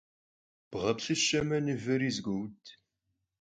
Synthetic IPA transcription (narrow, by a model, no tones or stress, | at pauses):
b̥ʁɐpɕɨʃɐmɐnɨvɨɾizɡʷuwtʰ